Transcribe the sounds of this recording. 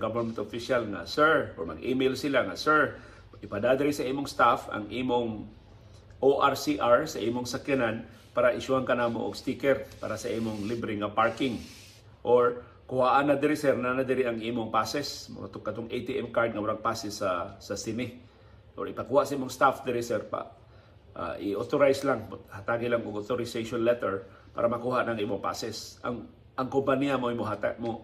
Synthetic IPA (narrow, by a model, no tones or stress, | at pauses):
ɡovənmɛnt̪ofiʃalŋa̰sɛɹʔoɹmɐ̰ɡʔiːmejlsɪlaŋasɛɹ | ʔɪpɐd̪ad̪ɪɾɪsɐʔiːmoŋst̪afɐ̰ŋʔiːmoŋ | ʔoʔaɹsiʔaɹsɐʔiːmoŋsɐkjanan | paːɾaʔɪʃʊhaŋkanaːmoʔo̰ɡst̪ikɛɾpa̰ːɾasɐʔiːmoŋlibɾɪŋapaɹkɪŋ | ʔoɹ | kʊhaʔanad̪ɪɾɪsɛɾnanad̪ɪɾɪʔɐŋʔiːmoŋpaːsɛsmo̰t̪ʊŋkːɐt̪oŋejt̪iʔɛmkaɹd̪̚ŋɐwaɾaŋpaːsɪsasɐsɪnɪ | ʔoɹɪpɐkuːhaʔsaʔiːmʊŋst̪afd̪ɪɾɪsɛɾpa̰ | ʔa̰ʔɪʔot̪oɾajslaŋhat̪aːɡɪlaŋʊɡʔot̪oɾɪsejʃonlɛt̪ɛɹ | pa̰ːɾamɐkuːhaʔnɐŋʔiːmoŋpa̰ːsɛsʔa̰ŋ | ɐŋkompanijamoɪmʊɦat̪amo